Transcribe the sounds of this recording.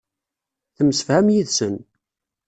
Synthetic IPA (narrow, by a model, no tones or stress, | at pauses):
θəmsəfhæmjiðsən